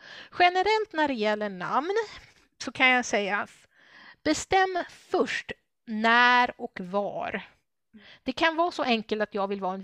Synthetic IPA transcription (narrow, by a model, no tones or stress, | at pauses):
ɧɛnəɾɛlt̪næɖɛjɛlːəɳa̰mn | sɔkʰanjasɛjːa | b̥ɛst̪ɛmːfɵʂʈ | næːɾɔkvɑ̰ːɾ | d̪̥ɛkʰanvɑːsɔʔɛŋkəlt̪at̪jɑːɡvɪlvɑːɛn